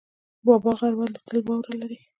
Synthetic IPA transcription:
bɑbɑɣaɾband̪ət̪əlbɑwɾalaɾi

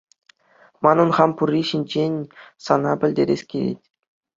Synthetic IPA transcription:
mɑnɤ̆nχɑmpurʲːiɕinʲd͡ʑenʲsɑnɑpʲɘ̆lʲdʲeɾʲḛsʲkʲilʲḛtʲ

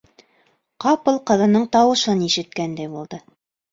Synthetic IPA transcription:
qɑpɤlˠqɤ̆ðɑnɤɴt̪ɑwɤ̆ʃɤniʃɘ̆t̪̚kænd̪æjbulˠd̪ɤ

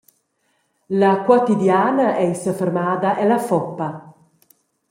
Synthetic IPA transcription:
lakwot̪id̪jaːnaʔɛisəfɛrmaːd̪aʔɛlafɔpːa

